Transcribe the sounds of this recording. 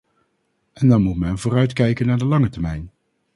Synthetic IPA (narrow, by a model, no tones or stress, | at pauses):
ʔɛndɑnmutmɛnvʊːrœɥtkɛjkənːaːɹdəlɑŋətɛɹmɛjn